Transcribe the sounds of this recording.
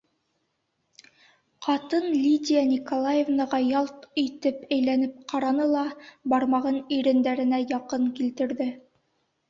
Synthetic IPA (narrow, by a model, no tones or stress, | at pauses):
qɑt̪ɤnlʲidʲɪjanʲikolˠajevnɑʁɑjɑlˠt̪it̪ɘpæjlænɘp̚qɑɾɑnɤlˠɑbɑɾmɑʁɤniɾɘ̆nd̪æɾɘ̆næjɑqɤŋkilt̪ɘ̆ɾðɘ